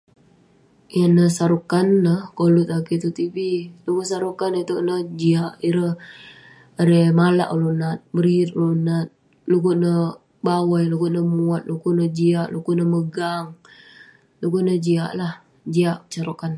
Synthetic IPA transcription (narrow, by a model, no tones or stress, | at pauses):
janəsaɾukanːəhkolut̪akit̪ut̪ibilukusaɾukanet̪uʔnəhd͡ʒiaʔiɾəh | aɾemala̰ʔolunat̪̚bəɾit̪̚olunat̪̚ | lukuʔnə | bawajlukuʔnəmuat̪̚lukuʔnəd͡ʒiaʔlukuʔnəməɡaŋ | lukuʔnəd͡ʒia̰ʔlah | d͡ʒiaʔt͡ʃaɾukan